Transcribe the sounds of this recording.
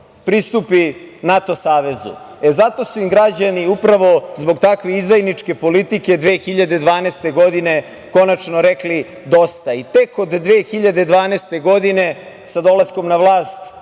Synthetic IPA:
pɾist̪upinat̪o̞saːʋe̞zṵ | e̞zat̪o̞suimɡɾad͡ʑaniupɾaʋo̞zbo̞ɡt̪akʋeizd̪ajnit͡ʂke̞po̞lit̪ike̞d̪ʋeːxiʎad̪ed̪ʋaːnest̪e̞ɡo̞d̪ine̞ | ko̞nat͡ʃnoɾekli | d̪o̞st̪ait̪e̞kod̪ːʋeːxiʎad̪ed̪ʋaːneːst̪e̞ɡo̞d̪ine̞ | sad̪o̞lasko̞mnaʋlˠaːst̪

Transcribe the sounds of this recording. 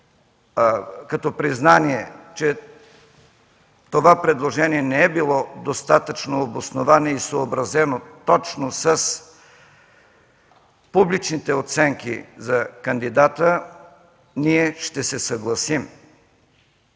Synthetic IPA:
kɐt̪ɔpɾiznaniɛt͡ʃɛ | t̪ovapɾɛd̪lˠoʒɛniɛnɛɛbilˠɔd̪ost̪at̪ət͡ʃnoːbosnovanɛisoːbɾɐzɛnot̪ɔt͡ʃnosəs | publit͡ʃnit̪ɛot̪sɛŋkḭzɐkɐnd̪id̪at̪ə | niɛʃt̪ɛsɛsɐɡlˠɐsim

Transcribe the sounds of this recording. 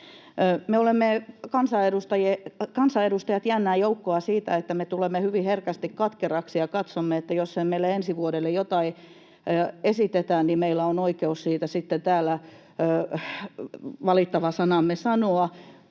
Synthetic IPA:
meolemːekɑnsɑedust̪ɑjekɑnsɑedust̪ɑjɑt̪jænːæːjoukːoɑsiːt̪æ̰et̪ːæmet̪ulemːehyʋiherkæst̪ikkɑt̪kerɑksijɑkɑt̪somːeet̪ːæjosːemmeilːˑeensiʋuoɾelːejot̪ɑi | esit̪et̪æːnnimeilːˑæonoikeussiːt̪æsit̪ːent̪æːlːˑæ | ʋɑlit̪ːɑʋɑsɑnɑmːesɑnoɑ

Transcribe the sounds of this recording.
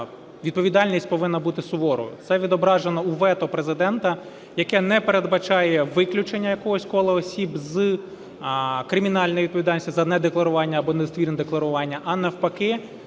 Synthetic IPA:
ʋʲid̪̚pɔʋʲid̪ɑlʲnʲisʲtʲpɔʋɪnːɐbut̪ɪsʊʋɔɾɔ̰jʊ̰t̪sɛʋʲid̪ɔbɾɑʒenɔuʋɛt̪ɔpɾezɪd̪ɛnt̪ɐ | jɐkɛnɛpeɾed̪bɐt͡ʃɑjɛʋɪklʲut͡ʃenʲːɐjɐkɔɦɔsʲkɔlˠɪɔsʲibzɨ | kɾɪmʲinɑlʲnɔjʋid̪̚pɔʋʲid̪ɑlʲnʲsʲtʲzɐnɛd̪eklˠɐɾʊʋɑnʲːɐːbɔnɛst̪ʋʲirnɛd̪eklˠɐɾʊʋɑnʲːɐʔɐnɐwpɐkɪ

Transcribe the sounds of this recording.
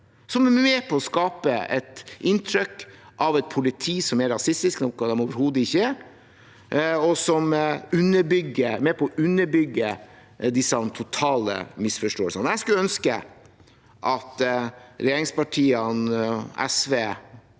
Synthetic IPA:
sɔmɛmeːpʰɔɔskɑːpəɛ̰t̪ɪnt̪ʰɾʏkːʔɑʋɛt̪̚pʰʊlɪt̪ʰiːsɔmɛɾɑsɪst̪ɪsknɔkːɑd̪ɛmoːʋəɾhuːd̪əɪçːə | ɔsɔmʉnːəɾbʏɡːəmɛːpʰɔɔʔʉnːəɾbʏɡːə | d̪ɪsɑnt̪ʰʊt̪ʰɑːlə̰mɪsfɔʂʈoːəlsənjæskʉlœnskə | ʔɑt̪ɾɛjeːɾɪŋspɑʈʰiːənɛ̰sʋeː

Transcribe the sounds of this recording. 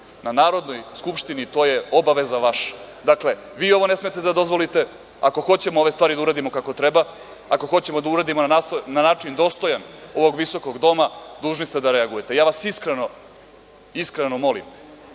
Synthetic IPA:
nanaːɾo̞d̪no̞jskupʃt̪init̪o̞ːje̞o̞baʋe̞zaʋaʃḁ | d̪akle̞ | ʋiːo̞ʋo̞ne̞smet̪ed̪ad̪o̞zʋo̞lit̪e̞ | ako̞xo̞t͡ɕe̞moo̞ʋest̪aːɾid̪auɾad̪imo̞kako̞t̪ɾeba | ako̞xo̞t͡ɕe̞mo̞d̪auɾaːd̪imonanaonanaːt͡ʃind̪o̞ːst̪o̞jano̞ʋo̞ɡʋiso̞koɡd̪o̞mad̪uːʒnist̪e̞d̪aɾeaɡuje̞t̪ejaːʋasiskɾeno̞ | iskɾenomo̞lḭm

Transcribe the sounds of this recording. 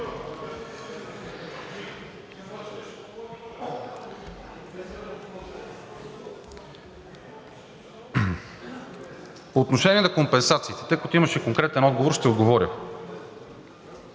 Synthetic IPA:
poːt̪noʃɛnʲiɛnɐkompɛnsat̪siːt̪ɛ̥t̪ɤjkɐt̪ʊimɐʃɛkoŋkɾɛt̪ɛnɔd̪ɡovoɾʃt̪ɛod̪ɡovɔɾʲə̰

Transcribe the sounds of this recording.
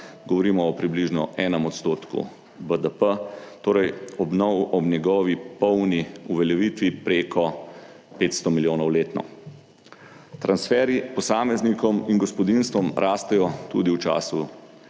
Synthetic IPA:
ɡɔʋɔɾiːmɔːpɾibliʒnɔ̰ɛːnəmɔt̪st̪oːt̪kṵ | bəd̪əpət̪oːɾɛjɔbnɔwɔbnɛɡɔːʋipɔwniuʋɛljɛʋiːt̪ʋipɾekʰɔ | peːt̪st̪ɔmiljoːnɔwleːt̪nɔ̰ | t̪ɾansfɛːɾipɔsaːmɛznikɔminɡɔspɔd̪inst̪ʋɔmɾʔaːst̪ɛjɔt̪ud̪iwt͡ʃa̰ːsu

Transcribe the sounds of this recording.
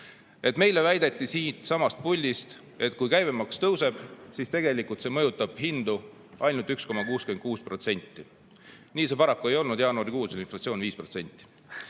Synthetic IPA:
e̞t̪me̞jle̞væjd̪̥e̞t̪ˑːisiːt̪sɑmɑst̪̚pulʲːist̪ | e̞t̪kujkæjvemɑkst̪ɤwse̞b̥sist̪e̞ɡ̥e̞likult̪se̞ːmɤjut̪ːˑɑb̥hind̪̥u | ʔɑjnult̪ːˑyksko̞mɑkuːskymekuːspro̞t̪se̞nʲt̪ːˑi | niːse̞pɑɾɑkːue̞jo̞lnud̪̥jɑːnuɑɾikuːselinflɑt̪sio̞ːnviːspro̞t̪se̞nʲt̪ːˑi̥

